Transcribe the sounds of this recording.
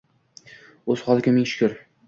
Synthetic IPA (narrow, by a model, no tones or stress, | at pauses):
oz̥χɒlˠɪkʲamɪŋʃʊ̥kʲʰʊɾ